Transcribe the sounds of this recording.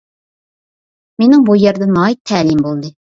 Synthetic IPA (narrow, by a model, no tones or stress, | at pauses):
menɪŋbujɛɾd̪ɛnɑjt̪ʰːæːlimbolˠd̪ɨ